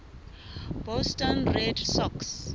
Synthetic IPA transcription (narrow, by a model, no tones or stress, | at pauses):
b̥ɔstɔ̃nrɛdsɔks